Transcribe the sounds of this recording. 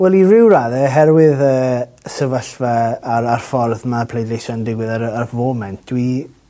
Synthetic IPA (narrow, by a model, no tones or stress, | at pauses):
wɛlˠirɪwɾaðɛɦɛɾwɪðəː | səvəɬvɛaɾarfɔrðmapʰlˠejdejʃɔndɪɡwɪðaɾərvoːmɛnt̚ʰd̥wi